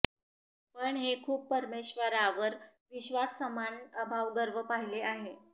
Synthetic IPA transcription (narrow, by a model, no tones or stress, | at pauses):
pəɳɦekʰuːpːəɾmeɕʋəɾaʋəɾ | ʋiɕʋasːəmanəbʱaʋɡəɾʋəpaɦileaɦe